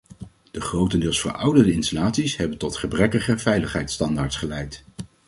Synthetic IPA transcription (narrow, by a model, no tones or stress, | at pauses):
d̥əχrowtəndɪːlˠsfəɹʔʌwdərəɪnstalaːtsisɦɛbəntɔtχəbrɛkəχəvɛjləχɦɛjtstɑndaːɹtsχəlɛjt